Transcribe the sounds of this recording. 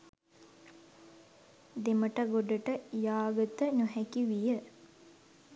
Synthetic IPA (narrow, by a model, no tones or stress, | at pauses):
d̪eməʈaɡoɖəʈəjaːɡət̪ənuɦɛkiʋijə